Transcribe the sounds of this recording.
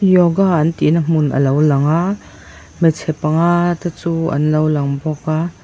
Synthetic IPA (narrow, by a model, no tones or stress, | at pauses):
jɔɡaant̪iʔnəm̥unʔɐ̰lɐwlɐŋa | mɛt͡sʰɛpɐŋat̪at͡suːʔɐ̰nlɐwlɐŋbɔka